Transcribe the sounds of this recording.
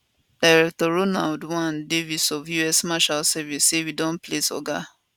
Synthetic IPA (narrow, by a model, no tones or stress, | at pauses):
d̥aɪɹɛk̚tɔɹonaldwãndevisɔvjuɛsmaʃalsɛvisːewidɔ̃nplesɔ̰ɡa